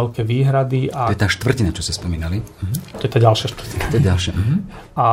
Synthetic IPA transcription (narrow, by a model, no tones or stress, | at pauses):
ɛlkɛːʋiːɦɾad̪iʔaɔjɛt̪aːʃt̪ʋr̩cinat͡ʃɔscɛspɔmiːnaliɦt̪ɔjɛt̪aːɟalʃɪaʃt̪rcinat̪ɔɛɟalʃaɦ | a